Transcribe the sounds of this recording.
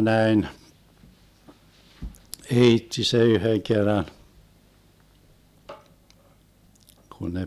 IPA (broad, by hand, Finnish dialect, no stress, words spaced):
næin eitːi se yhøŋ kerːɑn kun ne